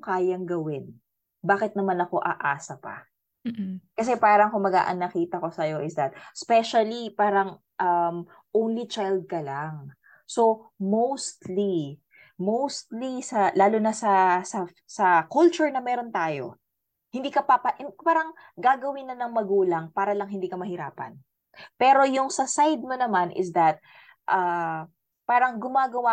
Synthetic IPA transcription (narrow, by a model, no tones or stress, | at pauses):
okaːjɐŋɡɐwɪn | baːkɪt̪̚nɐmanɐko̞ʔɐʔaːsɐpɐ̰ | kɐs̬ɛpaːɾɐŋkʊmɐɡa̰ʔɐ̰nːɐkiːt̪ɐko̞sɐjo̞ʔɪsd̪ɐt̪̚spɛʃɐlipaːɾɐŋ | ʔɐm | ʔownlit͡ʃajld̪̚kɐlaŋ | so̞mowst̪li | mowst̪lisɐlaːlonɐsɐsɐ | sɐkult͡ʃʊɹnɐmɛːɾont̪aːjo̞̰ | hɪnd̪iːkɐpɐpɐʔɪpaːɾɐŋ | ɡaːɡɐwɪnːɐnɐŋmɐɡuːlɐŋpaːɾɐlɐŋɦɪnd̪iːkɐmɐhɪɾa̰ːpɐ̰n | pɛːɾo̞jʊŋsɐsajd̪̚monɐmanʔɪ̰sd̪ɐt̪̚ | ʔa | paːɾɐŋɡʊmaːɡɐwa